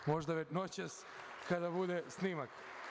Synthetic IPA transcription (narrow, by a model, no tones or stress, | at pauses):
mo̞ʒd̪aʋenot͡ɕes | kad̪abud̪esnimak